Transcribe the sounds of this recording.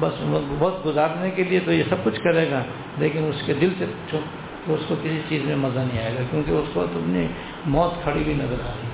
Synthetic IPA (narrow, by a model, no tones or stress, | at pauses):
bɐsbɔːt̪ɡʊzaːɾnekeliet̪ojesɐb̚kʊt͡ʃʰkɐɾeːɡa | leːkɪnʊsked̪ɪlsepu̥ːt͡ʃʰo | t̪oʊskokɪsit͡ʃiːzmẽmɐzanɐɦĩaːeːɡakjõːkiʊswɐkt̪ɐpni | mɔːt̪kʰɐɽibʱinɐzəɾa̰ːɾiː